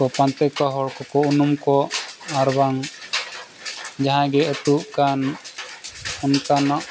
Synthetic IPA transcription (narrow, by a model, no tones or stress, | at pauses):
ɔpãnt̪ɛkaɦɔɽkɔkɔunumkɔaɾbaŋ | d͡ʒaɦãɡɛɛt̪uʔkan | ɔnkanɔʔ